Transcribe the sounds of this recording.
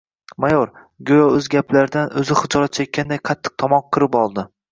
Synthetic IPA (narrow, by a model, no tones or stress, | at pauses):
majɒɾ | ɡʲojɒɵzɡʲaplaɾɪd̪anɵzɪχɨd͡ʒɒɾat̪̚t͡ʃʰak̚ʲʰːand̪ajqʰɑt̪ʰːɨ̥q̚t̪ʰɒmɒmqʰɨɾɪpɒlˠd̪ɪ